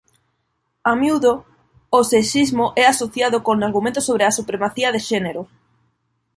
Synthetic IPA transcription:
amjuðo | oseʃizmoʔɛasoθjaðokonaɾɣumẽnt̪osoβɾeasupɾemaθiɐðeʃɛneɾʊ

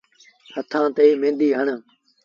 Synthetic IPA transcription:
hət̪ʰãːt̪eːmẽːnd̪iːɦəɳ

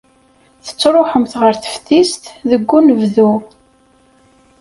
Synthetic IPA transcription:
θə̥t͡sːɾˤoħəmθʁəɾθə̥fθist̪ðəɡʷːunəvðu

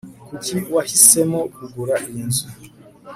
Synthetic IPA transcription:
kutiwahisɛmɔkuɡuɾaʔinzu

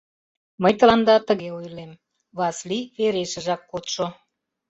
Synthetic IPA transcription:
məjt̪ə̆lɑnd̪ɑt̪əɣeojlem | βɑsliveɾeʃə̆ʒɑkːot̪ʃo

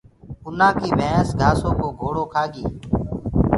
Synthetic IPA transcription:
ʊnãːkiːʋʱẽːsɡʱaːsõːkoːɡʱoːɽoːkʰaːɠiː

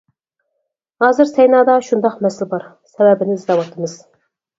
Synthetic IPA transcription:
hɑːzɨɾsɛjnɑːd̪ɑʃund̪ɑqmɛslɪbɑɾ | sɛwɛbɪnɪɪzd̪ɑwɑt̪ʰɨmɨz̥

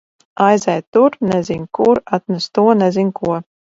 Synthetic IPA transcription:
ajzɛjt̪uɾnɛzinʲkuɾat̪̚nɛst̪uɔnɛzinʲkuɔ

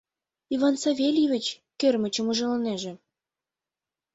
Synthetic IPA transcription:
iβɑnsɑvʲelʲivʲɘ̆t͡ɕ | kørmə̆t͡ɕə̆muʒɤ̆lɤ̆neʒĕ

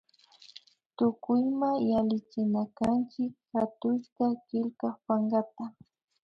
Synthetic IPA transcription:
t̪ʊkʊjmajalɪt͡ʃɪnakant͡ʃɪkxat̪ʊʃkakɪlkaχpaŋɡat̪a

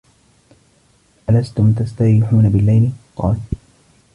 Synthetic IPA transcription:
ʔalast̪ʊmt̪ast̪aɪħuːnabɪlːajlqɑ̰ːl

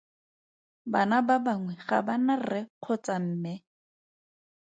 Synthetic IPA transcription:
banababaŋwɛχa̰banarɛq͡χʰɔt͡sam̩ːmɛ

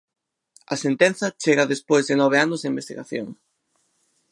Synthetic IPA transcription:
ɐsent̪enθɐt͡ʃeɣɐðespojzðenɔβ̞eanʊzðeimbest̪iɣa̰θjoŋ

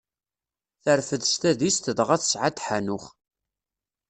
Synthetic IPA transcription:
θəɾfəðst̪æðist̪əðəʁæθə̥sʕat̪ħanʊχ

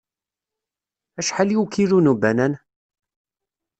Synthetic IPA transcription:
æʃħaliukiɾunubænæn

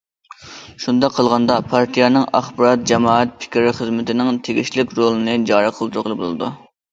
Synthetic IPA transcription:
ʃund̪ɑqʰːəlˠʁɑnd̪ɑpʰɑɾt̪ʰijɑnɨŋɑχbɑɾɑt̪̚d͡ʒɛmɑːɛt̪̚pʰɪ̥kʲɾɪχəzmɪt̪ʰɪnɪŋt̪ʰeɡʲiʃlɪkʲɾolˠɨnɨd͡ʒɑːɾəqʰəlˠd̪uɾʊqəlˠbolˠɨ̰d̪ṵ

